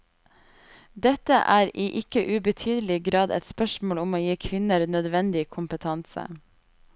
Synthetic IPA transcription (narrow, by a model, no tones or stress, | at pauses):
d̪ɛt̪əʔæːɾiːʔɪkəʔʉbət̪ʰyːd̪əlɪɡɾɑːd̪ɛ̰t̪spœʃmoːlʊmoːjiːkʰʋɪnəɾnœd̪ʋɛnd̪ɪkʰʊmpət̪ʰɑnsə̰